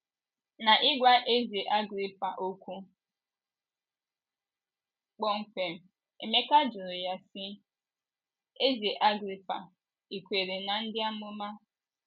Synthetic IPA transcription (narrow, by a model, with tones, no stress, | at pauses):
na˨ʔɪ˦ɡʷa˦ʔe˦ze˨ʔa˦ɡɾi˦pa˨ʔo˦kʷu˦ | k͡pɔ˦ŋ̩˨kʷe˨m̩˨ | e˨me˦ka˦d͡ʒʊ˨ɾʊ˨ja˦sɪ˦ | e˦ze˨ʔa˦ɡɾi˨pa̰˨ | i˨kʷe˨ɾe˨na˨n̩˦dɪ˦a˦mʊ˦ma˦